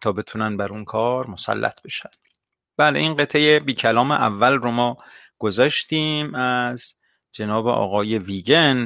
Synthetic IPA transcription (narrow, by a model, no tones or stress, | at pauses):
t̪ʰɒːbe̞t̪ʰunænbæɾunkʰɒːɾmo̞sæ̰lːʔæ̰t̪̚ʰbe̞ʃænd̪̥ | b̥æːleʔinɢe̞t̪ʰːejebiːcʰælɒːmḛʔævːælromɒː | ɡ̥ozɒːʃt̪iːmæz | d͡ʒenɒːbḛʔɒ̰ːɣɒːje̞viːɡen